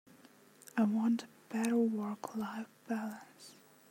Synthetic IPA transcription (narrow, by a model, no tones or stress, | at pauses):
aɪwɑ̃ntʰ | b̥ɛɾə˞wɜ˞kʰlaɪfb̥ælˠə˞s